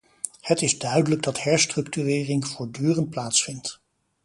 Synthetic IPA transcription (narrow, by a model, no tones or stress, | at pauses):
hətɪzdœɥdələɡ̚dɑtɦɛɹstrɵktyrɪːrɪŋv̥ʊːɹdyːrənt̚plaːtsfɪnt